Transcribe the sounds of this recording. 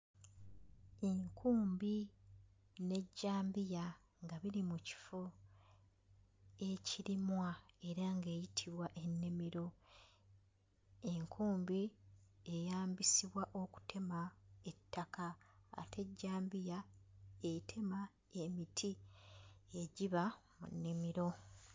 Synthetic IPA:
eŋkʰuːmbi | ne̞ɟːaːmbija | ŋɡaβiɾimuci̥fo | eciɾimwae̞ɾaŋɡe̞ːjitʰiβwaʔe̞nːemiɾo̞ | e̞ŋkʰuːmbiejaːmbisiβwaʔo̞ku̥tʰe̞mae̞tːaka̰ːte̞ɟːaːmbijaetʰe̞ma | e̞mitʰi | e̞ɟiβa | mṵnːimiɾo̞

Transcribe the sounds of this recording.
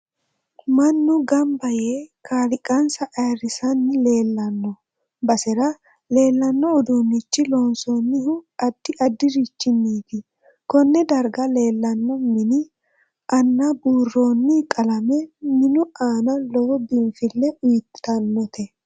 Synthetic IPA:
mɐnːʊɡɐmbɐjeːkʰaːlɪkʼːɐnsɐʔɐjrɪsɐnːɪle̞ːlːɐnːɔ | bɐsɛɾɐ | le̞ːlːɐnːɔːd̪unːɪt͡ʃːɪloːnsoːnːɪhʊɐd̪̥ːɪʔɐd̪ːɪɾɪt͡ʃːɪnːiːt̪ɪ | kɔnːɛd̪ɐɾɡɐle̞ːlːɐnːɔmɪnɪ | ʔɐnːabuːrːo̞ːnːɪkʼɐlɐmɛmɪnʊaːnɐlɔbɪnfɪlːɛʊjt̪ːɐnːɔt̪ɛ

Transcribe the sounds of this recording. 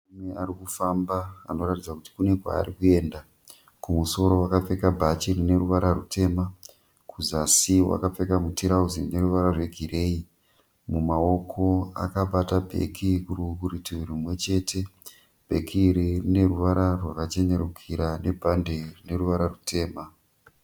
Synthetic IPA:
umeaɾikufamba̰ːno̞ratid͡zakuti̥kune̞kwa̰ːɾikue̞ːnda | kumuso̞ɾo̞wakap͡fe̞kabʱat͡ʃirine̞ɾuʋaɾarutʰe̞ːma | kʰuzasiwa̰kap͡fe̞kamutʰiɾauzine̞ɾuʋaɾarwe̞ɡʱiɾe̞i | mumao̞kʰo̞a̰kaɓatabʱe̞̰kʰikurukurituirimwe̞t͡ʃe̞ːtʰe̞ | b̥ʱe̞kʰiːɾirine̞ruʋaɾarwakat͡ʃe̞ɲe̞ɾukʰiɾane̞bʱanderine̞ɾuʋaɾarutʰe̞ːma

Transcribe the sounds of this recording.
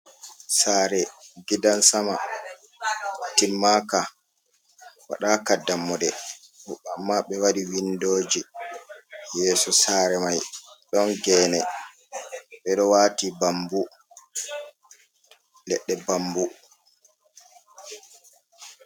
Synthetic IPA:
saːɾɛɡidansama | timːaka | wa̰ɗaːkadamːɔdɛ | huamːaɓɛwaɾiwindoːd͡ʒi | jɛːsɔsaːɾɛmajɗɔnɡɛːnɛ | ɓɛɗɔwaːtibambu | lɛɗːɛbambu

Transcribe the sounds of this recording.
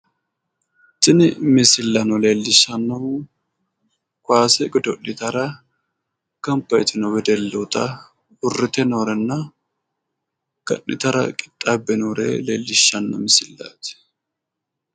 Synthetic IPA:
tʼːɪnɪmɪsɪlːɐnɔleːlːɪʃːɐnːo | kʷaːsɛɡɪd̪ɔʔːɪt̪ɐɾɐ | kɐmpːɐjɛt̪ɪnɔwɛd̪ɛlːɛt̪ɐ | hʊrːɪt̪ɛnoːɾɛnːɐ | ɡ̥ɐ̰ʔːɪt̪ɐɾɐ̰kʼɪ̥t̪ʼːabːɛnoːɾɛ̰lḛːlːɪʃːɐnːɔ̰mɪsɪlːa̰ːt̪

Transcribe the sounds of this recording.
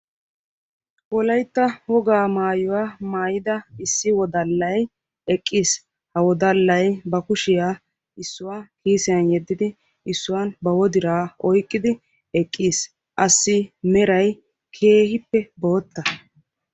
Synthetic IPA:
wɔlɐjt̪ːɐwɔɡaːmaːjʊwaːmaːjɪd̪ɐɪsːɪwɔd̪ɐlːɐj | ɛkʼːiːs | hɐwɔd̪ɐlːɐjbɐkʊʃɪjaː | ɪsːʊwaːkiːsɪjɐnjɛd̪ːɪd̪ɪ | ɪsːʊwanbɐwɔd̪ɪɾaːɔjkʼːɪd̪ɪ | ɛkʼːiːs | ʔɐsːɪmɛɾɐj | kʰe̞ːhɪpːɛbo̞ːt̪ːɐ

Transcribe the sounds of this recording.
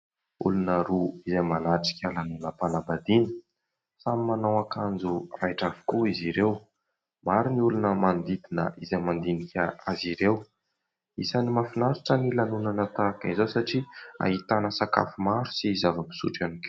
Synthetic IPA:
ṵlunəɾuizemanaʈ͡ʂi̥kʲalanunəpanabad̪inə̥ | samimanawakand͡zurajʈ͡ʂavi̥kuiziɾew | maɾiniulunəmand̪id̪inə̰ʔizemand̪inikʲʰaaziɾew | isanimafinaɾiʈ͡ʂənilanunanət̪akəizowsaʈ͡ʂia̰ɦit̪anəsaka̰fumaɾu̥siːzavəmbi̥sṵʈ͡ʂanikʲe

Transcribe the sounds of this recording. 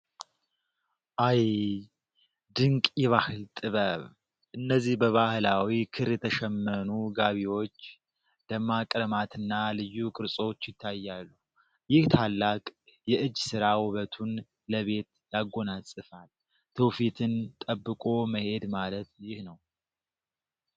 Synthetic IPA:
ʔaj | d̪ɨŋkʼjɛβahɨlt̪ʼɨβəβ | ʔɨnːəzːihbəβahlawikʰɨɾjɛt̪ʰəʃɛmːənuɡaβiwo̞t͡ʃː | d̪əmːakʼɾəmat̪ʰɨnːalɨjːukʼɨɾsʼo̞t͡ʃːjɪt̪ʰːajːalːu | jɪht̪ʰalːakʼjɛʔɨd͡ʒːsɨɾawʊβət̪ʰun | ləβe̞t̪jaɡo̞nasʼɨfal | t̪ʰəwfit̪ʰɨnt̪ʼəbːɨkʼo̞məhe̞d̪malət̪jɪhnəw

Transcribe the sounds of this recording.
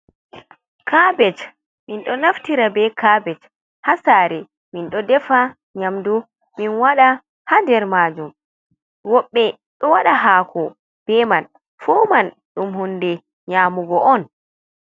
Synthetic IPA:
kabɛt͡ʃ | minɗɔnaftiɾabɛkabɛt͡ʃ | hasaɾɛ | minɗɔdɛfa | ɲamdu | minwaɗa | hadɛɾmaːd͡ʒum | wɔɓːɛ | ɗɔwaɗaɦaːkʰɔ | b̥ɛman | fɔman | ɗumhundɛ | ɲaːmuɡɔʔɔn

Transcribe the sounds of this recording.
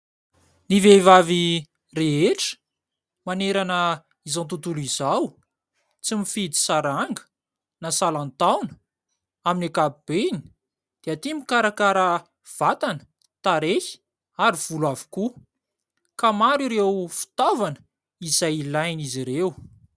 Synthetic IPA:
nivevavi | reɦeʈ͡ʂə̥ | maneɾanə | izãnt̪̬ut̪ulizaw | t͡simifid̪i̥saɾaŋɡə̥ | nasalant̪awnə̥ | aminakabib̥eni̥ | d̪̥eat̪imikaɾakaɾə | v̥at̪anə̥ | t̪aɾeçi̥ | aɾiv̥ulwavu̥ku | kamaɾuɾewfi̥t̪avanə | izajlajniziɾew

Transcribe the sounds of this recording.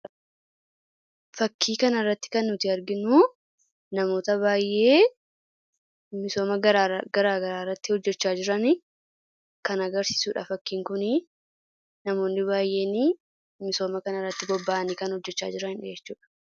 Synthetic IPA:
fɐkʰːiːkɐnɐrːɐt̪ːɪ̥kɐnːʊt̪ɪɐɾɡɪnu | nɐmo̞ːt̪ɐβaːjʔe̞ː | mɪso̞ːmɐɡɐɾaːɡɐɾaːrːɐt̪ːɪhɔd͡ʒːɛt͡ʃːaːd͡ʒɪɾɐnɪ | kɐnɐɡɐɾsi̥ːsuːᶑɐ̰fɐkːiːŋkʊnɪ | nɐmo̞ːnːɪβaːjʔe̞ːni | mɪso̞ːmɐkɐnɐrːɐt̪ːɪɡɔbːaːɐnɪkɐnhɔd͡ʒːɛt͡ʃːa̰ːd͡ʒɪɾɐnd͡ʒɛt͡ʃːuːᶑɐ̥

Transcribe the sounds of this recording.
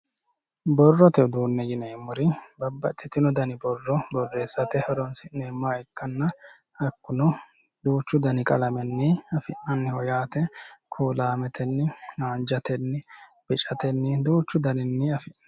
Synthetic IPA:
bɔrːɔt̪ɛd̪uːnːɛɡɪnɛɪmːʊɾɪbɐbːɐt̪ʼːɪt̪ːɪnɔd̪ɐnɪbɔrːɔbɔrːe̞ːsːɐt̪ɛhɐɾɔnsɪnːɛːmːaːɛkːɐnːɐ | ɐkːʊnɔ | d̪uːt͡ʃːʊd̪ɐnɪkʼɐlɐmɛnːɪɐfɪʔɐnːɪhɔjaːt̪ɛkʰuːlaːmɛt̪ʰɛnːɪaːnd͡ʒɐt̪ɛnːɪb̥ɪt͡ʃʼɐt̪ɛnːɪd̪uːt͡ʃːʊd̪ɐnɪnːɪɐfɪʔ

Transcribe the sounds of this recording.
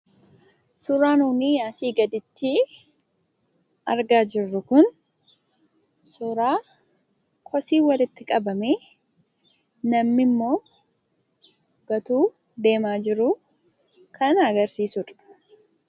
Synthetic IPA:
sʊɾaːnuːniːjaːsiːɡɐd̪ɪt̪ːɪ | ʔɐɾɡaːd͡ʒɪrːʊkʊn | sʊɾaː | kʰɔsiːwɐlɪt̪ːɪkʼɐbɐmeː | nɐmːɪmːo̞ː | ɡ̥ɐt̪uː | d̪e̞ːmaːd͡ʒɪɾʊ | kʰɐnɐɡɐɾsiːsʊᶑ̥

